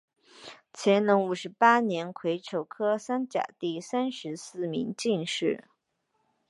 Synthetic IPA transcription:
t͡ɕʰjɛ˧˥nnɤ˧˥ŋu˨˩ʂɻ̩˧˥pa˥njɛ˧˥nkʰwe˧˥ɪʈ͡ʂʰo˨˩ʊkʰɤ˥sa˥nt͡ɕja̰˨˩t̪i˥˩sa˥nʂɻ̩˧˥sɹ̩˥˩mi˧˥ŋt͡ɕi˥˧nʂɻ̩˥˩

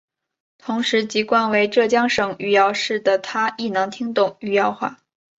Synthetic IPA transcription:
t̪ʰʊ˧˥ŋʂɻ̩˧˥t͡ɕi˧˥kwa˥˩nwe˧˥ɪʈ͡ʂɤ˥˩t͡ɕjɑ˥ŋʂɤ˨˩ŋy˥˩jɑ˥˧ʊʂɻ̩˥˩d̪ə˩t̪ʰa˥i˥˩nɤ˧˥ŋt̪ʰi˥ŋt̪ʊ˥˩ŋy˥˧jɑ˥˧ʊxwa̰˥˩

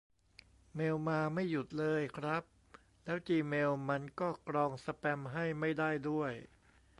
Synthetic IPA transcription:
meː˧wmaː˧ma˥˩jːu˨˩t̪̚lɤː˧jkʰɾa˦˥p̚ | lɛː˦˥wt͡ɕiː˧meː˧wma˧nkɔː˥˩kɾɔː˧ŋsa˧pɛ˧mɦa˥˩jma˥˩jdaː˥˩jdu˥˩əj

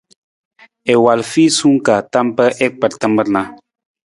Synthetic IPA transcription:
e˨wa˨lfi˦su˦ŋka˨ta˦mpə˦ʔɛ˦k̚pə˨ɾtə˦mbə˦ɾna˦

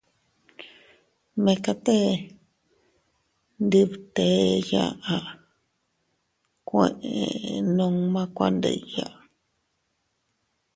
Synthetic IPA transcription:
mẽ˧ka˧t̪e˦ | nd̪i˧βt̪e˨˦ja̰˧ʔa˧ʔ | kʷẽ˨ʔe˨nũ˧ŋmã˦kʷa̰˦˧nd̪ḛ˧˨ja˨ʔ

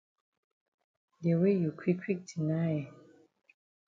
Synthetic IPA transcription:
de˨we˦˨ju˨kʰwi˦kʰwi˦k̚di˨na˦˨j

